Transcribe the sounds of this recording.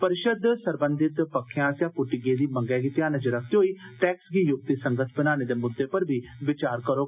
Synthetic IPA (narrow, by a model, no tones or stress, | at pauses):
pəɾɪʃəd̪səɾbənd̪ʱɪt̪pəkʰːejãːsjãːpʊʈɪɡeːd̪iːməŋɡɛːɡɪt̪ijãːnəd͡ʒəɾəkʰt̪eɦoːiːʈɛːksɡiːjʊk̚t̪iːsəŋɡət̪ʰbənaːneːd̪eːmʊd̪ːeːpəɾbʱiːʋɪt͡ʃaːɾkəɾoː